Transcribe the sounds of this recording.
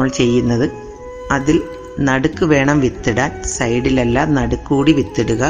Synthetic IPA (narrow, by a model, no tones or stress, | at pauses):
ɭt͡ɕe̞jːunːɐðɨ | ɐðil | nɐɽukːɨʋe̞ːɳɐmʋit̪ːiɽaːnsɐjɖilelːaːmnɐɽukːuːɽiʋit̪ːiɽuɣɐ